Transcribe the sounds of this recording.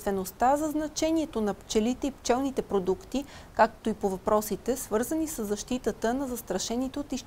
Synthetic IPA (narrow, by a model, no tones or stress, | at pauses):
t̪vɛnost̪azɐznɐt͡ʃɛniɛt̪onɐpt͡ʃɛlit̪ɛipt͡ʃɛlˠnit̪ɛpɾod̪ukt̪i | kak̚t̪oipovɐpɾɔsit̪ɛsvɤɾzənisəzːɐʃt̪it̪ət̪ənɐzɐst̪ɾɐʃɛnit̪ɛot̪iʃ